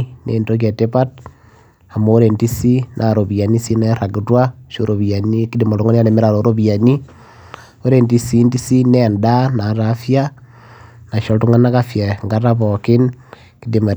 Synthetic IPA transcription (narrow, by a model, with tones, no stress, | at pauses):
neː˨nto˦k̬ja˨te˦pa˦t̚ | a˨moː˦ɾe˨nti˦si˦nʔa˨ɾo˨βia˨ni˦si˦ne˦ɾa˨ki˨twa˦ʃo˦ɾo˨βia˨ni˦ki˦di˨mo˨ɾo˦ŋɡo˦ni˦a˦ɾe˨me˦ɾa˨ɾo˨ɾo˦βia˨ni˦ | o˦ɾe˨nti˦si˦nti˦si˦ne˦nda˦na˨ɾafja˦ | na˨ʃo˨tu˦ŋa˦na˦ka˦fja˨ŋɡa˦ɾa˦βo˨ki˦n | ki˦dima˨